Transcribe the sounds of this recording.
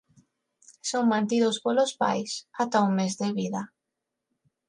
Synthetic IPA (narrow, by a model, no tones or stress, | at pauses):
soŋmãnt̪iðospolospa̰jsat̪auŋmezðeβiða